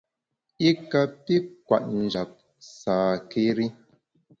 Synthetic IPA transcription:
i˦ka˨pi˦kwa̰˨ʔ̚n̩˨d͡ʒa˨p̚ | saː˨ke˦ɾi˦

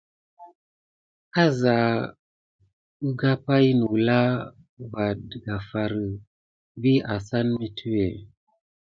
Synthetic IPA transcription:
ka˦za˨ | u˦ɡa˦pa˦jnu˨la˦ | va˨dɡa˨fa˨ɾə˨ | vi˦a˨sa˦nmi˦tʰu˦e˨

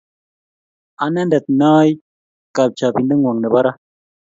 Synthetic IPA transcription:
a˨na˦n˦dɛ˨t̪̚nɔː˦j | ka˨p̚t͡ʃa˨pi˨n˦də˦ŋwo˨ŋnə˨ba˦ɾa˦

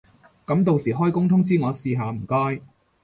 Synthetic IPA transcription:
kɐ˨˥mt̪̬o˨wsiː˨˩ɦɔː˥jkʊ˥ŋt̪ʰʊ˥ŋt͡siː˥ŋɔː˨˧siː˧ɦaː˨˧m̩˨˩kɔː˥j

